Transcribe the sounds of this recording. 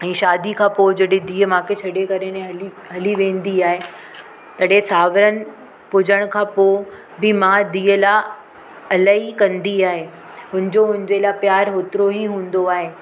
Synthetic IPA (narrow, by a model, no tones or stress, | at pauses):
ɛ̃ːʃaːd̪ikʰãːpod͡ʑɐɗẽd̪iːəmãːkʰet͡ɕʰɐɽekɐɾenẽɦɐli | ɦɐliʋẽːnd̪iaːɦe | t̪ɐɗesaːʋəɾənɪ̆ | pʊd͡ʑəɽ̃kʰãːpo | bɪmãd̪iːəla | ɐlaːikɐ̃nd̪iaːɦe | ɦʊ̃nɪ̃̆d͡ʑoʊ̃ɦɪ̃ɲd͡ʑelapjaːɾɦoːt̪ɪɾoɦiɦũːn̆d̪oaːɦeː